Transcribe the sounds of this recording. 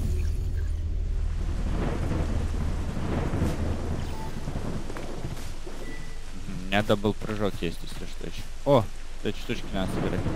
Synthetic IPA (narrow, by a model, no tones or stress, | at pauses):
m̩ɦm̩mʲɪnʲad̪abɨlˠpɾɐʐokjesʲtʲɪsʲlʲoʂt̪o̰ɪɕ | o | t̪ɐt͡ɕt̪uʂkʲɪnad̪səbʲɪɾa̰t̚ʲ